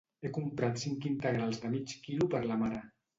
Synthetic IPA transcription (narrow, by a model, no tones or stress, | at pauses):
ekumpɾat̪siŋkint̪əɣɾalˠzðəmit͡ʃkilupəɾlamaɾa